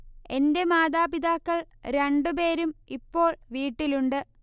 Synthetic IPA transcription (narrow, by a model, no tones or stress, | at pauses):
e̞nde̞maːd̪aːbid̪aːkːɐɭ | ɾe̞ɳɖupe̞ːɾumipːo̞ːɭʋiːʈːiluɳɖɨ